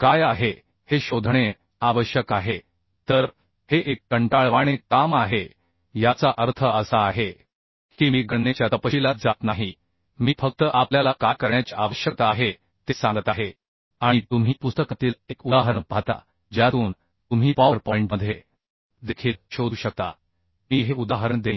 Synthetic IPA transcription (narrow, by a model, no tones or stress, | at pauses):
kajaɦe | heɕod̪ʱɽ̃e | aʋəɕjəkaɦe | t̪əɾ | heʔekːəɳʈaɭʋaɽ̃ekamaɦe | jat͡saʔəɾt̪ʰəəsaːɦe | kiːmiːɡʱəɳːet͡ɕjat̪əpəɕilat̪̚d͡zat̪naɦi | miːfək̚t̪əʔapljalakakəɾɳjat͡ɕiaʋəɕjək̚t̪aɦe | t̪esãŋɡət̪aɦe | aɽ̃it̪um̤iːpust̪əkat̪iːlekud̪aɦəɾəɳbʱat̪a̰ | d͡ʑjat̪uːn | t̪um̤iːpaʋəɾpɔĩɳʈməd̪ʱje | d̪ekʰiːlɕod̪uːɕək̚t̪a̰ | miːɦeud̪aɦəɾəɳd̪e